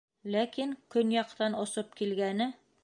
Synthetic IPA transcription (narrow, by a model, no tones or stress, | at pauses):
lækiŋkɵnjɒqt̪ɑnŏsɤp̚kilɡænɘ